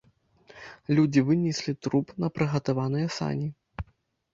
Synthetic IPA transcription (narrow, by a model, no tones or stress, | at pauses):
lʲud͡zʲivɨnʲisʲlʲit̪ɾupnɐpɾɨɣɐt̪avanɨjɐsa̰nʲi